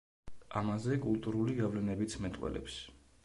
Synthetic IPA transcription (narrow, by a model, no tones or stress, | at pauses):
amazɛkʼulˠt̪ʼuɾuliɡavlɛnɛbit̪sʰmɛt̪ʼwɛ̰lɛ̰ps